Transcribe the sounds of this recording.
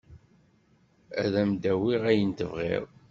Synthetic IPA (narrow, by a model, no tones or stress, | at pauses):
æ̰ðæmd̪æwiʁæjənt̪əvʁḭɾˤ